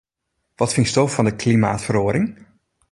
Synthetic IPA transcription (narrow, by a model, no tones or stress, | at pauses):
ʋɔtfɪŋstofɔndəkʰlimaːtfəroəɾɪŋ